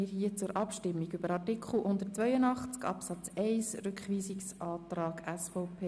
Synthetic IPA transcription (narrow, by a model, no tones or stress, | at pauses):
ɪːɾhiət͡sʊɾʔɑpʃtɪmːiɡʏbəɾɑrtikʰχl̩ˠʔʊnd̪əɾtt͡sʋœʏənɑχt͡skɑ̰psɑt͡sɛɪsɾʏkχʋiːsiksɑːtɾɑːɡæsfɔʊpʰeː